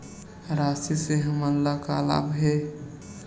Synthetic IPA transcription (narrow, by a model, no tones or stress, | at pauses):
ɾasiseɦəmənlakala̰bɦe